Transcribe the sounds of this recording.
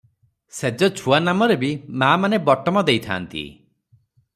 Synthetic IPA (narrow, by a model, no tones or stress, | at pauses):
sed͡ʒɔt͡ʃʰuanamɔɾebimaːmanebɔʈɔmɔd̪ejt̪ʰa̰ːnt̪ḭ